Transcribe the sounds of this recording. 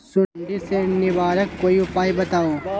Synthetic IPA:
sʊnd̪isenɪbaːɾɐkkoːiʊpaːibɐt̪aːoː

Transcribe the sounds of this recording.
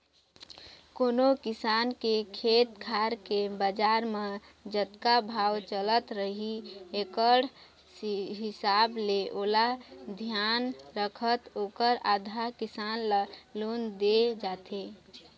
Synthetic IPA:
koːnokɪsaːnkekʰet̪kʰaɾkebəd͡ʒaɾme | d͡ʒət̪kabʱawt͡ʃələt̪ɾəɦiekəɽ̤ | sɦɪsableʔoːlad̪ʱjanɾəkʰət̪oːkəɾad̪ʱakisanləlond̪ed͡ʒat̪e

